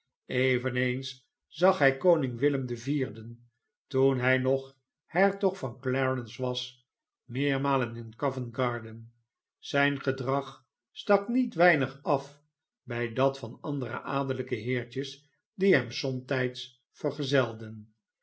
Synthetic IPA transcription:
ejvənejns | z̥ɑχɦɛjkownɪŋʋɪləmdəviːɹdən | tunɦɛjnɔχ | hɛɹtɔχfɑnklɛɹənsʋɑs | mɪːɹmaːlənɪnkɑvənɡɑːɹdən | z̥ɛjnχədrɑχ | stɑknitʋɛjnəχɑf | bɛjdɑtfɑnɑndərə̰ʔaːdələkəɦɪːɹt͡ʃəs | diɦɛmsɔmtɛjts | fəɹχəzɛlˠdən

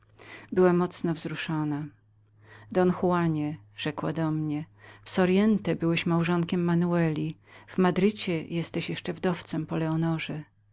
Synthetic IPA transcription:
bɘwamːɔt̪snɔvzɾuʂɔna | d̪ɔnxuwaɲɛʐ̥ɛkwa̰d̪ɔmɲɛfsɔɾjɛnt̪ɛbɘwɛɕmawʐɔŋkʲɛmːanuɛlʲiv̥mad̪ɾɘt͡ɕɛjɛst̪ɛɕjɛʂt͡ʂɛvd̪ɔft̪sɛmpɔlɛɔnɔʐɛ

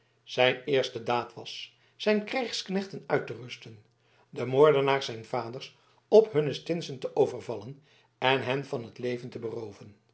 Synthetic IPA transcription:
z̥ɛjnɪːɹstədaːtʋɑsː | ɛjnkrɛjχsknɛχtənœɥtərɵstən | dəmoːɹdənaːɹzɛjnv̥aːdəɹs | ɔpɦɵnəstɪnsəntəʔowvəɹvɑlən | ɛnɦɛnvɑnɦətlejvəntəbərowvən

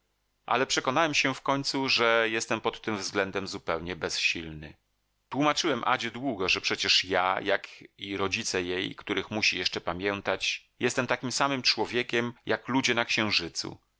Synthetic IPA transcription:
ʔa̰lɛpʂɛkɔnawɛmɕɛfkɔɲt̪suʐɛjɛst̪ɛmpɔt̪ːɘmvzɡlɛnd̪ɛmzupɛwɲɛbɛsɕilnɘ̰ | t̪wumat͡ʂɘwɛmʔa̰d͡ʑɛd̪wuɡɔʐɛpʂɛt͡ɕɛʂjajakiɾɔd͡ʑit̪sɛjejkt̪uɾɘxmuɕijɛʂt͡ʂɛpamʲjɛnt̪at͡ɕ | jɛst̪ɛmt̪akʲimsamɘmt͡ʂwɔvʲjekʲɛmjaklud͡ʑɛnakɕɛ̃w̃ʐɘt̪sṵ

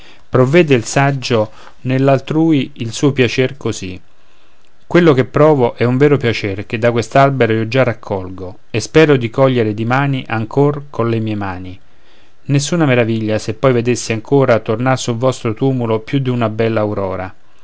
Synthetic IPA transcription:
pɾovːɛːd̪eilsad͡ʒːo | nelːalt̪ɾuːiilsuːopjat͡ʃerkozi | kwelːokepːɾɔːvoʔɛuɱvɛːɾopjat͡ʃerk̟ed̪ːakwest̪albeɾoiːod͡ʒarakʰːɔlɡo | espɛːɾod̪ikɔʎːeɾed̪imaːniʔaŋkʰorkʰonlemiːemaːni | nesːuːnameɾaviʎːasepːɔjved̪esːiaŋkʰoːɾat̪ornarsulvɔst̪ɾot̪uːmulopjud̪iunabɛlːaːwɾɔːɾa

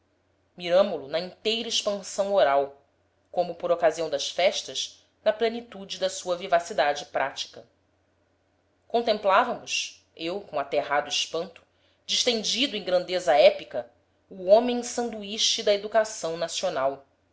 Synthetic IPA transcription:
miɾɐ̃mʊlʊnɐĩt̪ejɾɐiʃpɐ̃sɐ̃w̃oɾaw | kõmʊpoɾokaziɐ̃w̃d̪ɐʃfɛʃt̪ɐʃ | nɐplenit̪ud͡ʒɪd̪ɐsuɐvivasid̪ad͡ʒɪpɾat͡ʃi̥kɐ | kõnt̪ẽmplavɐmʊʃ | ewkõat̪eɦad̪ʊiʃpɐ̃nt̪ʊ̥ | d͡ʒiʃt̪ẽnd͡ʒid̪ʊẽj̃ɡɾɐ̃nd̪ezɐɛpikɐ | uõmẽj̃sɐ̃nd̪uiʃt͡ʃid̪ɐed̪ukasɐ̃w̃nasionaw

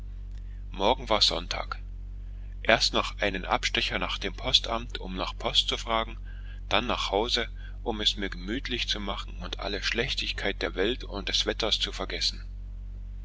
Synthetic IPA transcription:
mɔɐɡŋ̩vaːɐz̥ɔ̰ntʰa̰ːk | ʔeːɐstnɔχʔaɪnənʔa̰pʃtɛçɐnaːχd̥eːmpʰɔstʔamtʰʊmnaːχpʰɔstt͡sufʁ̥aːɡŋ̩ | d̥anːaːχhaʊzə | ʔʊmɛsmiːɐɡəmyːtʰlɪçt͡sumaχn̩ʊntʔa̰ləʃlɛçtɪçkʰaɪt̚d̥eːɐvɛltʊnt̚d̥ɛsv̥ɛtɐst͡sufɛɐɡɛsn̩

